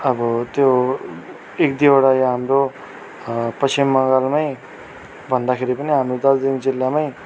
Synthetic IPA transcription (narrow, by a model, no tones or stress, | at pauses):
ʌbʌt̪jo | ekd̪ioɽajɦamɾo | pʌsimːʌŋɡalmaj | bʱʌnd̪akʰeɾipʌniɦamɾod̪ʌld̪ind͡zilːamaj